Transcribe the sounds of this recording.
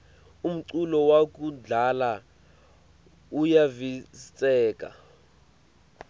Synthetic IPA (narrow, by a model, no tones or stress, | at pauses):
um̩ǀulɔwak̬ʼuɮala | ujavit͡sʼɛːk̬ʼa̰